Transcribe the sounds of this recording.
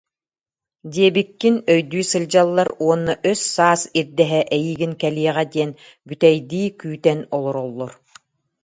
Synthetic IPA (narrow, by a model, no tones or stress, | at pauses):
d̪iɛbikːinœjd̪yːsɯlʲd͡ʑalˠːaɾuɔnːaʔøsːaːsiɾd̪ɛɦɛʔɛjiːɡinkɛliɛʁɛd̪iɛn | byt̪ɛjd̪iːkyːt̪ɛnɔlˠɔɾɔlˠːɔɾ